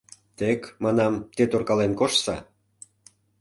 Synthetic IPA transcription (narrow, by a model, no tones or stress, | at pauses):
t̪ekmɑnɑmt̪et̪orkɑlenkoʃsɑ̰